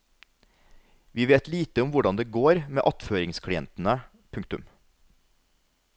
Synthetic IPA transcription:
ʋiːʋeːt̪liːt̪əʊmʋʊɖɑnd̪eːɡoːɾmeːʔɑt̪føːɾɪŋskʰɽɪɛ̰nt̪n̩ə | pʰʉŋkt̪ʉm

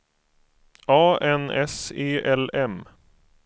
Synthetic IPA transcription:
ɑːɛnɛseːʔɛlɛm

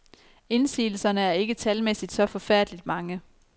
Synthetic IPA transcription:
e̝nsḭːl̩sɐnəæɐe̝ɡ̥ət͡sʰælmesid̥sɒ̽fɒ̽fæɐ̰d̥əlid̥mɑ̈ŋə

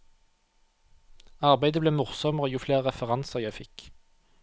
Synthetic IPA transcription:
ɑʁbæɪd̪əbleːmʊʁsɔməʁoːjuːfleːʁʁɛfəʁɑnsəʁjæɪfɪk

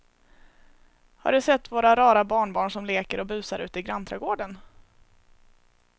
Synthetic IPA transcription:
ha̰ɖɵsɛt̪ːvoːɾaɾɑːɾabɑːɳbɑːɳʂɔmleːkəɾɔbʉ̟ːsaɾʔʉ̟ːt̪əɪɡɾant̪ʰɾaɡoːɖən

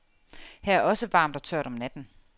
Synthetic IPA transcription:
hæɐæɐɒ̽səʋɑ̈ːmd̥ɒ̽t͡sʰøɐ̰ɾ̥ɒ̽mnæd̥n̩

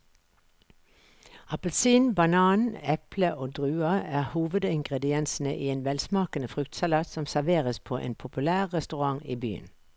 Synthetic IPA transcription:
ɑpəlsiːnbɑnɑːnɛpləʔoːd̪ʁʉːɑæːʁhuːʋəd̪ɪŋɡʁɛd̪ɪɛnsn̩ə̰ʔiːeːnʋɛlsmɑːkənəfʁʉkt̪sɑlɑːt̪sɔmsæʁʋeːʁəspʰo̰ːʔḛːnpʰʊpʉlæːʁʁɛst̪ʉʁɑŋiːby̰ːə̰n

